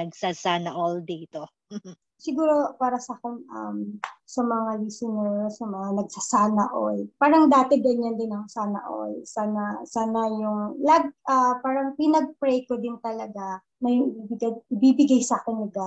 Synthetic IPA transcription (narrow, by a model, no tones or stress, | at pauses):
ɐɡsasaːnɐʔold̪ɛɪt̪o | sɪɡuːɾo̞paːɾɐsakɛnɐ̰msɐmɐŋaɹisɪnɛɹsɐmɐŋanɐɡ̚sasaːnɐʔojpaːɾɐŋd̪aːt̪ɛɡɐɲand̪ɪnɐksaːnɐ̰ʔo̰jsaːnɐsaːnɐjʊŋlɐɡ̚ʔɐpaːɾɐŋpinɐɡ̚pɾɛjkod̪ɪnt̪ɐlɐɡa | mɐjʊŋʔɪbibɪɡɐdʔɪbiːbɪɡajsaːkɛnːɪɡa